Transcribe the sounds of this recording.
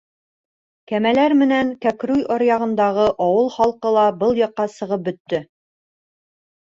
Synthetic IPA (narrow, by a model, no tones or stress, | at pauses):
kæmælæɾmɘ̆næŋkækɾujʔɒɾjɑʁɤ̆nd̪ɑʁɤʔɒwɤlˠχɑlˠqɤlˠɑbɤlˠjɑ̆qːɑsɤ̆ʁɤp̚bɵ̆t̪ːɵ